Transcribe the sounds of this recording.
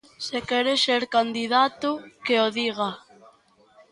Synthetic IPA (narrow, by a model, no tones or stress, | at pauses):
sekɛɾeseɾkand̪iðat̪ukeoðiɣ̞a